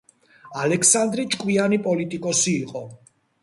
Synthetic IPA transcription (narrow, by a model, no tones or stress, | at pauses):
alɛkʰsand̪ɾit͡ʃʼkʼwianipʼɔlit̪ʼikʼɔsiːqʼɔ